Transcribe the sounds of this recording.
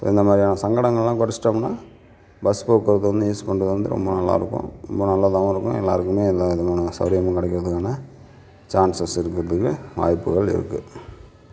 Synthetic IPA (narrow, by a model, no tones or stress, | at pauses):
so̰ːɪnd̪ɐmaːd̪ɾijaːnɐsɐŋɡɐɽɐŋɡɐɭlãːkɔɾɐsɪ̥ʈːɐmnːaː | bɐspoːkːɯɾɐðɯʋɐnd̪ɯiːskɔɳɖɐðɯʋɐnd̪ɯɾɔ̰mbɐnɐlːa̰ːɪɾɯkːʊ̰̃ɾɔ̰mbɐnɐlːat̪ɐʋɐ̃ɪɾɯkːʊ̃ɛ̰lːa̰ːɾɯkːɯmeːɛlːaɪðmaːnɐsɐɾɪjɐmɐ̃kɪɽɛkːɪɾɐðɯkːaːnɐ | t͡ʃaːnsɐsɪɾɯkːɪɾɐðɯkːɯʋa̰ːjpːɯɣɐɭɪ̰ɾɯ̰kːɯ̰